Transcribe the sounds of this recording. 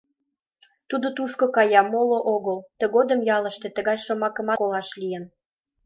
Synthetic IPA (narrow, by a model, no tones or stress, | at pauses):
t̪ud̪ot̪uʃkokɑjɑmoloʔoɣəlt̪ə̆ɣod̪ə̆mjɑlə̆ʃt̪et̪ə̆ɣɑjʃŏmɑkə̆mɑkolɑʃlijən